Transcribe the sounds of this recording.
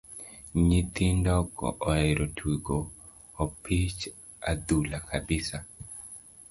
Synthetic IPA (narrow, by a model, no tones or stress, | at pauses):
ɲit̪indɔkɔ̰ʔɔɛɾotʰwiɡoː | pʰit͡ʃ | ad̪ulakʰabɪsa